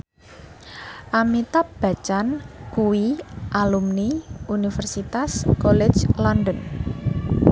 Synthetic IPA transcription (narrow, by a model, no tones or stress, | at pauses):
ʔamit̪ab̥ä̤t͡ʃankuwiʔalumniunifərsit̪askolɛ̥d͡ʒlɔndən